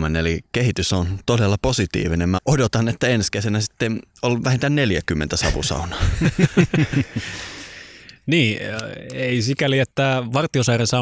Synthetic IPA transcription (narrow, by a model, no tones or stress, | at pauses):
menelikehit̪ysont̪odelːɑposit̪ḭːʋinemmæʔodot̪ɑnet̪ːæenskeseænæsi̥t̪ːenolʋæhint̪ænneljækymːḛnt̪æsɑʋṵsɑ̰unɑː | niː | eisikæliet̪ːæʋɑrt̪ːiosɑjrensɑ